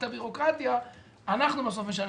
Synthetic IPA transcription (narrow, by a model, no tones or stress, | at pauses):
t̪abiʁo̞kʁat̪jaː | naχnubas̬o̞fmeʃ̬an